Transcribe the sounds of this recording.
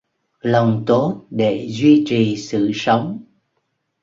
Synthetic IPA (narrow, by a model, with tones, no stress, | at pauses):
lə˨˩wŋ͡mt̪o˦˥t̚ɗe˧˩zwi˧t͡ɕi˨˩˨sɨ̰˧˨sə˨˦wŋ͡m